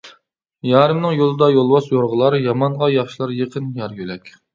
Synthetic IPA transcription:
jɑːɾɨmnɨŋjolˠɨd̪ɑjolˠwɑsjoɾʁəlˠɑɾjɑmɑɴʁɑjɑχʃilˠɑɾjəqʰənjɑɾɡʲølɛkʲ

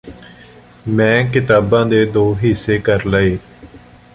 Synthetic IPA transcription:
mɛ̃ːkɪt̪aːbãːd̪eːd̪oːɦɪsːeːkəɾləeː

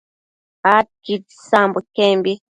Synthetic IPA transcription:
at̚kitisambukɛmbi

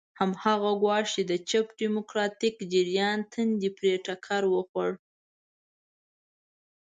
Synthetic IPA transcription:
hamhaɣaɡwɑʂt͡ʃed̪ət͡ʃapɖimʊkɾɑt̪ɪkd͡ʒɪɾjɑnt̪ʰənd̪ipɾeʈakʰaɾwəxwaɽ

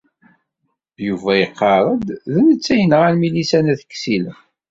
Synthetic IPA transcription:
juvæjəqːɑɾˤəd̪ðənət͡sːæjənʁælmilisænæθə̥kːsilə

